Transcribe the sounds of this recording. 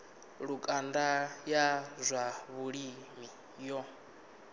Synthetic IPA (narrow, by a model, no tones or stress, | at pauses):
ɺukʼandajazʷaβuɺimi | jɔ